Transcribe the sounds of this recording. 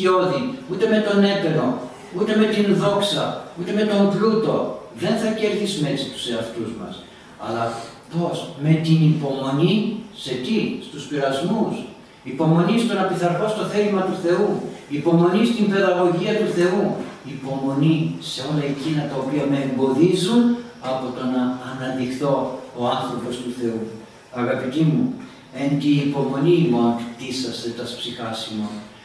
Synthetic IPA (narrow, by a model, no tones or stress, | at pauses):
o̞ðiut̪e̞me̞t̪o̞ne̞pe̞lo̞ | ut̪e̞me̞t̪inðo̞ksɐut̪e̞me̞t̪o̞mplut̪o̞ðe̞nθɐce̞ɾθizme̞t͡si̥t̪u̥se̞ɐft̪uzmɐ̰s | ɐ̰lɐft̪o̞sme̞t̪inipo̞mo̞nise̞t̪ist̪uspiɾɐzmus | ipo̞mo̞nist̪o̞nɐpiθɐɾxo̞st̪o̞θe̞limɐt̪uθe̞uipo̞mo̞nist̪imbe̞ðɐɣo̞ʝiɐt̪uθe̞uipo̞mo̞nise̞o̞lɐecinɐt̪ɐopiɐmeːmbo̞ðizun | ɐpo̞t̪o̞nɐːnɐnðixθo̞oɐnθɾo̞po̞st̪uθe̞u | ɐɣɐpit̪imu | ent̪iːpo̞mo̞niːmoɐnt̪isɐst̪e̞t̪ɐspsixɐsimo̞n